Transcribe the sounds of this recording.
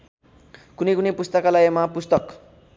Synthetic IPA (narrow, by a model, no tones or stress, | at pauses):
kunejkunepust̪ʌkalajemapust̪ʌk